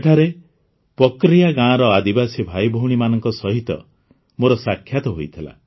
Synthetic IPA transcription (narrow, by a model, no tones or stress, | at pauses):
ʈʰaɾe | pɔkɾijaɡãːɾɔad̪ibasibʱajbʱɔwɽ̃imanɔŋkɔsɔɦit̪ɔ̰ | moɾɔsakʰjat̪ɔɦojt̪ʰila̰